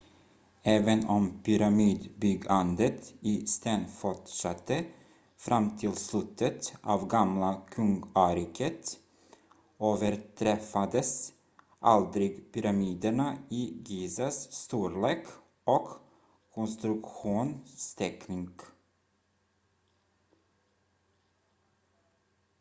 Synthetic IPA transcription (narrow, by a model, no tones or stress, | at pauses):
ɛːvənɔmpʰʏɾamiːd̪bʏɡand̪ət̪iːst̪eːnfɔʈʂat̪ːə | fɾʔamt̪ʰɪlslʉt̪ʰːət̪ɑːvɡamlakʰɵŋɡɑːɾɪkʰət̪ | oːvəɾʈʰɾɛfad̪əs | ʔɑ̰ld̪ɾɪɡpʏɾɑmiːd̪əɳəiːɡiːsɑsst̪uːɾleːk | ʔoːɡ̥ | kʰʊnst̪ɾʉkɧuːnst̪ʰɛknɪŋɡ